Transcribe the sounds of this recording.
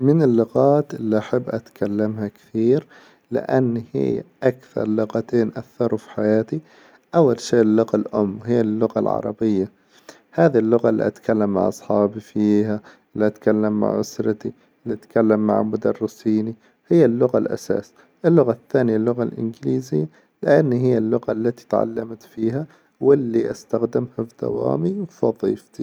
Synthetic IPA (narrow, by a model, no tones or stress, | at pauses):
mɪnɪlːʊɣaːt̪ʔɪlːiʔaħabːʔat̪kʰalːamhakθiːɾ | lɪ̰ʔanːhɪ̰ːʔakθɑ̰ɾˤlʊɣat̪eːnʔaθɑɾˤufi̥ħajaːt̪i | ʔawːalʃeːʔlːʊɣalʔʊmːwhɪjːalːʊɣa̰lʕɑ̰ɾˤɑ̰bɪjːa | haːðilːʊɣalːḭʔat̪kʰalːamːa̰ʕʔɑsˤħɑːbifiːha | lːiʔat̪kalːamːa̰ʕʔʊsɾˤɑt̪i | lːiʔat̪kalːamːa̰ʕmʊd̪ɑrːɪsiːni | hɪjːalːʊɣalʔa̰sa̰ːs | ʔɪlːʊɣaθːaːnɪjalːʊɣalʔɪ̰nɡɪliːzɪjːa | lɪʔanːhɪjːalːʊɣalːat̪i̥t̪ʕa̰lːamt̪fiːɦa | wɪlːiʔast̪axd̪ɪmhafd̪̥a̰wa̰ːmiwfɑðˤḭːft̪i